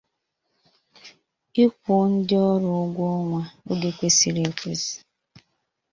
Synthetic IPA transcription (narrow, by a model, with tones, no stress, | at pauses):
i˦kʷʊ˨˦n̩˦dɪ˦ɔ˦ɾʊ˨˦ɡʷo˦ŋʷa˨o˦ɡe˦kʷe˦si˨ɾe˨˦kʷe˦zi̥˨